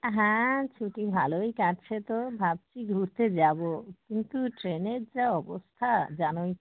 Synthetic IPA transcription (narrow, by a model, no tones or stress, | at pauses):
ɦɛ̃t͡ɕʰuʈibʱalojkaɾt͡ɕʰet̪obʱab̚t͡ɕʰiɡʱuɾt̪ed͡ʑabokint̪uʈɾeneɾd͡ʑaɔbost̪ʰad͡ʑanoj